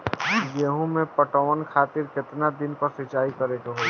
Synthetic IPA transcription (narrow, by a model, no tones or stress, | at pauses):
jeɦũmẽpəʈɔʋənkʰaːt̪ɪɾkɪt̪nad̪ɪnpəɾsɪt͡ʃaːikəɾekoɦo